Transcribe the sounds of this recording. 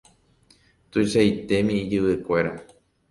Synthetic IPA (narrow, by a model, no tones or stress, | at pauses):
t̪uiʃajt̪e̞mĩːd͡ʒɨʋɨkʷe̞ɾa